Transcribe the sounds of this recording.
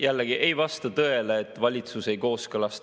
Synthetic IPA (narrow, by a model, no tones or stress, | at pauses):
jælːeɡ̥iʔe̞jvɑst̪ɑt̪ɤe̞leːt̪ːˑvɑlʲit̪suse̞jko̞ːskɤlɑst̪